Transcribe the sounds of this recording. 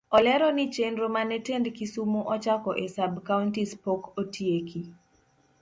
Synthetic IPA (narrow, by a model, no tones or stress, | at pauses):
ɔlɛɾɔnit͡ʃenɾomanɛtendkisumoʔɔt͡ʃakɔʔesabkauntispokotieki